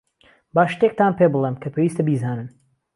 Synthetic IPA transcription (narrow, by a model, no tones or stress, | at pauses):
baːʃt̪ek̚t̪aːnpebɨlˠemkʰɐpʰeːwiːst̪ɐbiːzaːnɨn